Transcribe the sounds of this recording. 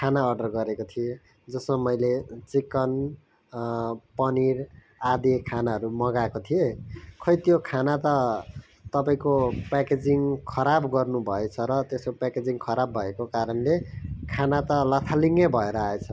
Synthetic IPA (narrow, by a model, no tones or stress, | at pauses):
kʰanaːrɖʌrɡʌɾekot̪ʰie | d͡zʌsʌmʌjlet͡sikʌn | pʌniɾ | ad̪ekʰanaɦʌɾumʌɡakot̪ʰijekʰʌjt̪jokʰanat̪ʌ | t̪ʌpaĩkopaked͡ziŋkʰʌɾabɡʌrnubʱʌet͡sʰʌɾʌt̪esopaked͡ziŋkʰʌɾabʱʌekokaɾʌnlekʰanat̪ʌlʌt̪ʰaliŋebʱʌeɾʌaet͡sʰʌ